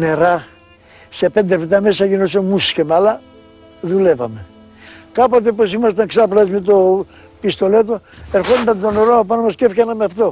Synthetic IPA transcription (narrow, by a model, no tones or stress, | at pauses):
ne̞ɾɐ | se̞pe̞nd̪efit̪ɐme̞sɐʝinosemusçemɐlɐ | ðule̞vɐme̞ | kɐpo̞t̪e̞po̞simɐs̬t̪ɐŋksɐpɾɐzmet̪o | pist̪o̞le̞t̪oeɾxo̞nd̪ɐnd̪oneɾoɐopɐnomɐscefkɐnɐmeɐft̪o̞